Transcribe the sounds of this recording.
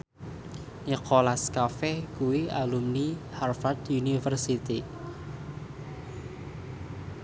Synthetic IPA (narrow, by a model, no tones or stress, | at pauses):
ɲəkʰolaskafɛkuwialumniharfat̪unifərsit̪i